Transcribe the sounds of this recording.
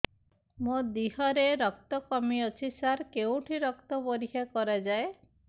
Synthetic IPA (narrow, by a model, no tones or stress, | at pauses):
mod̪iɦɔɾeɾɔkt̪ɔkɔmiɔt͡ʃʰisaɾkeũʈʰiɾɔkt̪ɔbɔɾiɦʰakɔɾad͡ʒae